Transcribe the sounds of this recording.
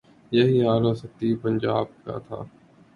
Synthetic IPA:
jəɦiːaːloːsət̪iːpənd͡ʒaːb̚ka̰ːt̪ʰa̰ː

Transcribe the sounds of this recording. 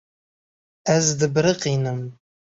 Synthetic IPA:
æzdɨbɾɨqinɨm

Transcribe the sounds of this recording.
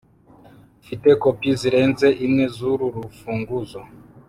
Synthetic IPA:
fitɛkɔpiziɾɛnzɛʔimwɛzuɾuɾufuŋɡuzɔ

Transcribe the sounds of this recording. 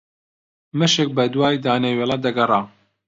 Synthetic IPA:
mɨʃek̚bɐd̪waːjd̪aːneweːlˠad̪ɐɡɐrˤaː

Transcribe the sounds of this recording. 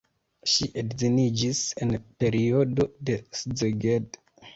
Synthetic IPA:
ʃiʔedzinid͡ʒise̞npe̞ɾio̞do̞de̞szeɡed

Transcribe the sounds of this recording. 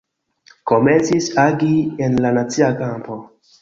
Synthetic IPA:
ko̞ment͡sisaɡienlanat͡siakampo̞

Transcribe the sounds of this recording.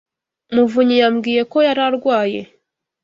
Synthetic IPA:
muvuɲijamɡiːje̞ko̞jaɾaɾɡwaːje̞̰

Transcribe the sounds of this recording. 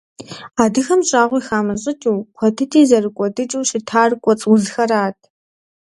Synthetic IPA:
aːdɨxɐmɕʼaːʁʷixaːmɐɕʼɪtʼuːkʷʰɔtʰɨtʰʼiːzɐrɨkʷʼɔdɨt͡ʃʼuːʃɪtʰaːrkʷʼɔt͡sʼʊzxɐraːtʰ

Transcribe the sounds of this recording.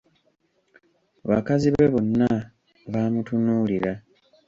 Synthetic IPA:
βa̰kaziβeβonːa | βaːmutunuːliɾa

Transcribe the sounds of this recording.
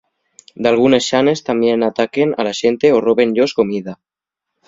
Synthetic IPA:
d̪alɣ̞unesʃane̞st̪ambjenat̪akena̰laʃent̪e̞oroβe̞nʎosko̞mið̞a

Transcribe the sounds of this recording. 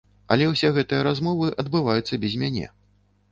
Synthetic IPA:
ɐ̰lʲɛwsʲɛɣɛt̪ɨjɐɾazmɔvɨʔɐd̪bɨvajut̪sːɐbʲɛzʲmʲanʲɛ̰

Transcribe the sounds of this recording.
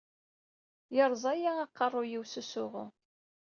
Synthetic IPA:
jəɾˤzˤæjaɑqːərˤːʊjiwsusʊʁʊ

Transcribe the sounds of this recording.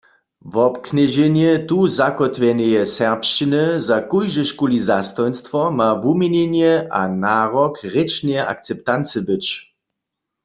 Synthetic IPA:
vɔpkʰnɛʒɛnjɛt̪uzakɔt̪ʋjɛnɛjɛsɛʁpʃt͡ʃinəzakujʒəʃkulizast̪ɔjnst̪ʋɔmavumjenenjɛʔa̰naːʁɔkʁet͡ʃnjɛʔa̰k̚t͡sɛpt̪ant͡səbɪt͡ʃ

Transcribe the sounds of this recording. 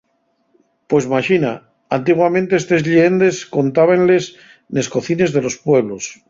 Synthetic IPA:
pwezmaʃina | ant̪̬iɣwamẽnt̪e̞est̪e̞zʎeend̪e̞sko̞nt̪aβ̞enle̞s | ne̞sko̞θine̞zðe̞lo̞spwe̞β̞los

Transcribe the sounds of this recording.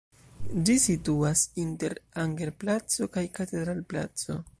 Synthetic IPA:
d͡ʒisituasinte̞ɾaŋɡeɾplat͡so̞kajkate̞dɾalpla̰t͡so̞̰

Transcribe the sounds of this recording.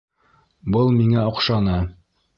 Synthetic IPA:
bɤlˠmiŋæɒqʃɑnɤ

